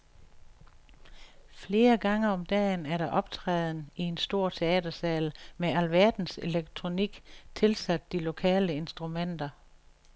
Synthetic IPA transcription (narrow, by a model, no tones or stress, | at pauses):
fle̝ːɐɡ̥ɑ̈ŋɐɒ̽md̥ɛ̰ːnæɐɾɑ̈ʔɒ̽b̥t͡sʰʁɛːð̩ˠn̩ie̝nsd̥o̝ɐ̰t͡sʰe̝ɛ̰ːd̥ɐsɛːlmeælʋæɐd̥n̩se̝leɡ̥̚t͡sʰʁo̝niɡ̥t͡sʰe̝lsæd̥̚ːilo̝kʰɛ̰ːləe̝nsd̥ʁumen̰d̥ɐ